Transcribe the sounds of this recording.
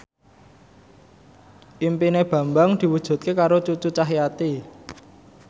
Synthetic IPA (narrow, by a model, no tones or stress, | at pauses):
impineb̥a̤mbaŋd̪̥i̤wud̥ʒ̥ṳt̪̚kekaɾot͡ʃut͡ʃut͡ʃaɦijat̪i